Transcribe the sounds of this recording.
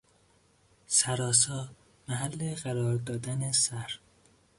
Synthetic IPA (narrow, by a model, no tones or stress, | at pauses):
sæɾɒːs̬ɒː | mæɦælːeɢæɾɒːɾd̪ɒːd̪ænesæɾ